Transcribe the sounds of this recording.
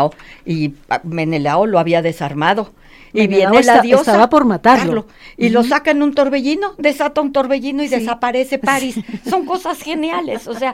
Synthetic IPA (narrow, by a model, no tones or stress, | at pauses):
oime̞nelaoloaβiaðe̞saɾmaðo̞ | iβje̞nelaðjosaðapoɾmat̪allo | ilo̞sakaenunt̪o̞ɾβe̞ʝino̞ðe̞sat̪aunt̪o̞ɾβe̞ʝino̞iðe̞sapaɾe̞se̞paɾisːo̞ŋko̞sasxe̞njale̞sosea